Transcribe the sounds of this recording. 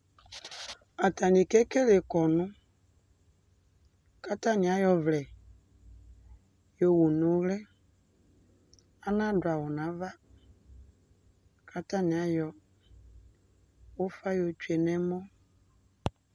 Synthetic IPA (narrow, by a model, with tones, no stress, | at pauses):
a˨ta˨ni˨ke˦ke˦le˨kɔ˨nʊ̃˦ | ka˦ta˦nĩ˨a˨˦jɔ˨vlɛ˨ | jo˨wu˨nʊ̃˨˦ɣlɛ˦ | a˦nã˦da˨wɔ˨nã˨˦va˦ | kʰa˦ta˦nĩ˨a˨˦jɔ˨ | wo˦fa˦jo˨t͡ʃu˦e˨nɛ̃˦mɔ̃˦